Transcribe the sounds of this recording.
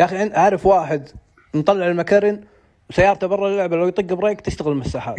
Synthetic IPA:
jaʔxiɪnʔaʕɾˤɑfwaːħɪd̪ | nt̪ˤːɑlːɪʕɪlmakaɾɪn | wsajːɑːɾˤɑt̪abɑrˤːɑlːʊʕbalawjt̪ˤɑɡːɪbɾˤɑːk̚t̪ɪst̪aɣɪlmɪsːaːħaːt̪

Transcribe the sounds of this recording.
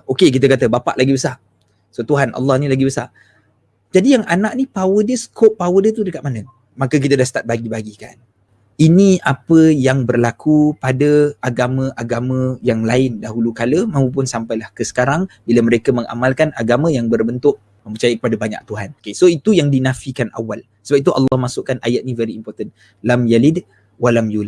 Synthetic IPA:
okek̬it̪̬əkat̪əbapa̰ʔlaɡibəsa | sot̪uɦanʔɑ̰lːɑhnĩlaɡibəsa̰ | d͡ʒadijaŋanaʔnipawədiəsə̥koʔpːawədiət̪udəkat̪̚manə | makək̬it̪ədahsət̪at̪̚baɡibaɡika̰n | inĩapəjaŋbərlakʰupadəaɡamə̃ʔaɡamə̃jaŋlaɪndaɦulukaləmãũp̬ʊnsampajlahkəsə̥kaɾaŋbiləməɾekamə̃ŋʔa̰malkanaɡamə̃jaŋbərbənt̪ʊʔ̚ | mə̃mpət͡ʃajəkəpadabaɲa̰k̚t̪uɦankesoit̪ujaŋdinafikanʔa̰wal | səbap̚it̪uʔa̰lːɑhmasʊʔkːanʔajat̪̚ɲivɛɾiːmpɔrt̪ən | lamjalid | walamjula

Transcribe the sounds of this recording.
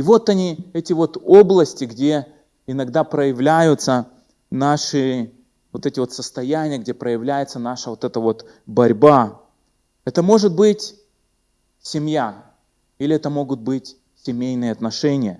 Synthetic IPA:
ɪvo̞t̪ɐnʲiɛtʲɪvo̞t̪oblˠəsʲtʲɪɡdʲe̞ | ɪnɐɡd̪apɾəjɪvlʲæjʊt̪sə | naʂɨ | vo̞t̪ɛtʲɪvo̞t̪səst̪ɐjænʲɪjəɡ̚dʲepɾəjɪvlʲæjɪt̪sənaʂəvo̞t̪ɛt̪əvo̞t̪ | bɐɾʲba | ɛt̪əmo̞ʐɨt̪̚bɨtʲ | sʲɪmʲja | ilʲɪɛt̪əmo̞ɡʊt̪̚bɨtʲ | sʲɪmʲejnɨjəɐt̪nɐʂɛnʲɪjə

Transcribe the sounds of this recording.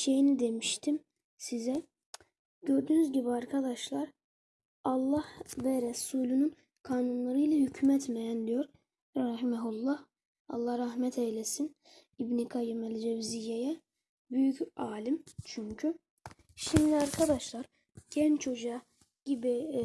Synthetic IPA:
ʃejinid̪emiʃt̪ʰim | sizɛ | ɟø̞ɾd̪ynyzɟibiɑɾkʰad̪ɑʃlˠɑɾ | ɑlˠːɑhvɛɾɛsuːlʲynyn | kʰaːnunlˠaɾɯjlʲɛhycʰmɛt̪mɛjænd̪ijo̞ɾ | ɾɑɦimɛɦulˠːɑh | ɑ̰lˠːɑhɾɑhmɛt̪ʰɛjlɛsin | ibnikʰɑjimæld͡ʒɛvzijːɛjɛ | byjycʰɑːlimt͡ʃʰyɲcʰy | ʃimd̪iɑɾkʰad̪ɑʃlˠɑɾ | ɟɛnt͡ʃʰo̞d͡ʒɑ | ɟibi

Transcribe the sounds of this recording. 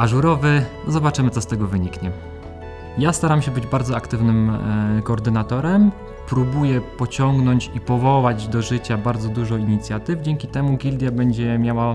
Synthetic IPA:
aʐuɾɔvɘ | zɔbat͡ʂɘmɘt̪ɔst̪ɛɡɔvɘɲikɲɛ | jast̪aɾamɕɛbɘd͡ʑbaɾd̪zɔakt̪ɘvnɘmkɔːɾd̪ɘnat̪ɔɾɛm | pɾubujɛpɔt͡ɕɔŋɡnɔɲt͡ɕipɔvɔwad͡ʑd̪ɔʐɘt͡ɕabaɾd̪zɔd̪uʐɔiɲit̪sʲjat̪ɘvd͡ʑɛŋkʲit̪ɛmuɡʲild̪ʲjabɛɲd͡ʑɛmʲjawa

